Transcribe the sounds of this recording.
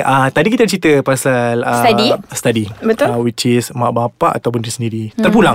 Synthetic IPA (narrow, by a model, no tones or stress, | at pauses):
ʔət̪adikit̪at͡ʃɾit̪əpasaləsdist̪adibət̪ʊwit͡ʃɪsmãʔbapaʔa̰t̪awpʊndisəndiɾit̪ərpulaŋ